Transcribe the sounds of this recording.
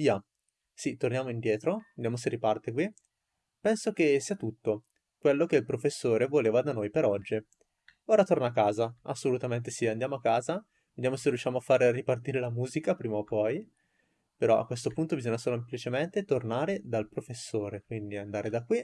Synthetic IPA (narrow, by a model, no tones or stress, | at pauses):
ia | sit̪ornjaːmoind̪jɛːt̪ɾoved̪jaːmos̬eripart̪ekwi | pɛnsok̟esːiːat̪ut̪ːo | kwelːok̟eilpɾofesːoːɾevoleːvad̪anojpeɾɔd͡ʒːi | oːɾat̪ornaakːaːzaasːolut̪ament̪esiand̪jamoakːaːza | ved̪jamoserjuʃːjaːmoafːarripart̪iːɾelamuːzikapɾiːmaopːɔj | peɾɔʔa̰kwest̪opunt̪obizoɲːasoːloemplit͡ʃement̪et̪ornaːɾed̪alpɾofesːoːɾekwind̪iand̪aːɾed̪akːwi